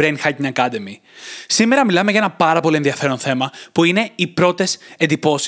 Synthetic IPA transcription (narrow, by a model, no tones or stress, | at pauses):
ɾenxɐcɲɐkɐd̪e̞mi | sime̞ɾɐmilɐmeʝɐenɐpɐɾɐpo̞lie̞nðiɐfe̞ɾonθe̞mɐpuine̞ipɾo̞t̪e̞sed̪ipo̞s